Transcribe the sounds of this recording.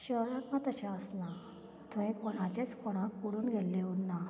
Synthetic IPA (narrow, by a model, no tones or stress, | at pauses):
ɕəɾnãt̪mãt̪əɕaəslã | t̪ẽkɔɽ̃ãt͡ɕet͡skɔɽ̃ãkuɽuːnɡʱelːeɦona